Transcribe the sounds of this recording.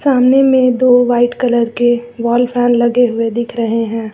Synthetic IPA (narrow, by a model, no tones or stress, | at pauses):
saːmnemẽd̪oːʋaːɪʈkɐləɾkeʋɔːlpʰɛːnlɐɡeɦʊed̪ɪkʰɾɐɦeɦɛ̃ː